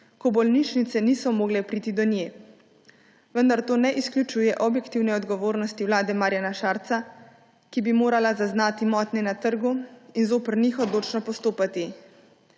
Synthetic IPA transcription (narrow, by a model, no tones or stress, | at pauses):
kɔbɔlniʃnit̪sɛnisɔmoːɡlɛpɾiːt̪id̪ɔnjeː | ʋənd̪aɾt̪oːnɛʔisklʲut͡ʃuːjɛʔɔbjɛkt̪iwnɛɔd̪ɡɔʋoːɾnɔst̪iwlaːd̪ɛmaɾjanaʃaːɾt̪sa | kibimoːɾalazaznaːt̪imɔːt̪nɛnat̪əɾɡuinzoːpəɾnixɔd̪oːt͡ʃnɔpɔst̪oːpat̪i